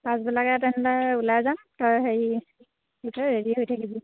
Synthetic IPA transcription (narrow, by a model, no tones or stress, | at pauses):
pãsbɛlakɛtɛnlaulajzamtɔɹɦeɹi | itʰaɦeɹiɦojtʰakizi